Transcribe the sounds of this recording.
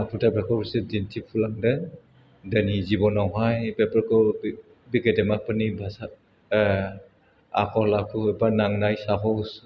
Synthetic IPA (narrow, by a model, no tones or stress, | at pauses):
apʰutabakɔbusedintʰipʰulaŋda | danizibɔnawɦajbɛpaɾkɔ | biɡedɛmak̚pɯnibʱasa | a̰kʰɔlakʰuɔbanaŋnajsaɦɔws